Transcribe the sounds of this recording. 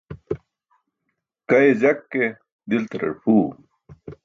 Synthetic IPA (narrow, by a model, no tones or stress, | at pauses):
kɐed͡ʑɐkːe | d̪ilt̪ɐɾɐ̰ɽpʰuː